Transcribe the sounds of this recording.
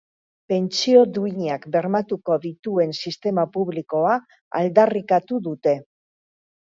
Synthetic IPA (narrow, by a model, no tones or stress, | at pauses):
pe̞nt͡sio̞ðuiɲakbe̞ɾmat̪uko̞ðit̪ue̞nsist̪e̞mapuβ̞liko̞a | a̰ld̪arikat̪uðut̪e̞